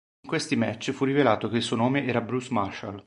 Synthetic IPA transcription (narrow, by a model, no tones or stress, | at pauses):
iŋkwest̪imɛt͡ʃːfurːivelaːt̪okeilsuːonoːmeʔɛːɾabɾusmarʃa̰l